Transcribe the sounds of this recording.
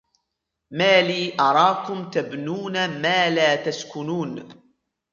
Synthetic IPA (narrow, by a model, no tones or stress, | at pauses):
maːliːʔɑɾˤɑːkʊmt̪abnuːnamaːlaːt̪askʊnuːn